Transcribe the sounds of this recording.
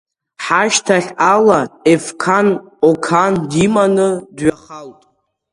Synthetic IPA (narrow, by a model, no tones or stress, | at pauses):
ħaʃtʰaχʲalaefkʰanokʰandimanɨdɥaχaltʼ